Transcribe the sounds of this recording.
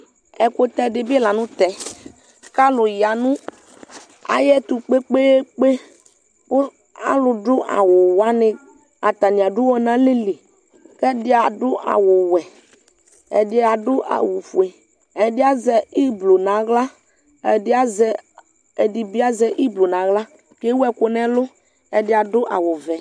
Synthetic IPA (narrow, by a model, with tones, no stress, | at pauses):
ɛ˨ko˦t̪ɛ˦dɪ˨bɪ˦la˨nʊ̃˦t̪ɛ˨ | ka˦lʊ˨ja˨nũ˦ | a̰˨jɛ˦t̪u˨k͡pe˦k͡pe˦e˦k͡pe˦ | kʊ˦ | a̰˦lʊ˨dʊ˦ʔa̰˨wʊ˨wa˦nɪ̃˦ | a˨t̪a˨nĩ˨a˨ɖʊ˦wɔ˦nã˦lɪ˦lɪ˨ | kɛ˦dɪ˦a˨dʊ˦ʔa̰˨wʊ˨wɛ˨ | ɛ̰˨dɪ˦a˨dʊ˦ʔa̰˨wo˨fu˨e˨ | ɛ˨dɪ˦a˦zɛ˨i˦blo˨nã˨ɣla˦ | ɛ˨dɪ˦a˦zɛ˦ | e˨di˨bi˦a˦zɛ˦ʔi˦blo˨nã˨˦ɣla˦ | ke˦wɛ˨kʊ˨nɛ̃˦lʊ˦ | ɛ˨dɪ˦a˨dʊ˦ʔa̰˨wʊ˨vɛ˨